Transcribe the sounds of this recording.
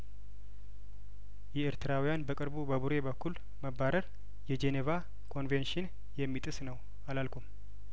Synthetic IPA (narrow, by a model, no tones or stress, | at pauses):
jɛeɾt̪ɨɾawijanbəkʼɨɾbubəβuɾe̞bəkʰːul | məbːaɾəɾ | jɛd͡ʒeneva | kʰo̞nvenʃɪn | jɛmːit̪ʼɨsnəw | alalkʰʷum